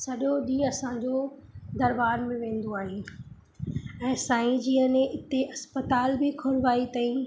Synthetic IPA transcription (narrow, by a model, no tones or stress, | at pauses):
sɐɗoɗĩːɐsãd͡ʑoːd̪ɐɾbaːɾmẽʋẽːn̆d̪oaːɦeː | ɛ̃ːsaːĩd͡ʑiːənẽɪt̪eʔɐspət̪aːlbɪkʰʊɾʋaːit̪aːĩ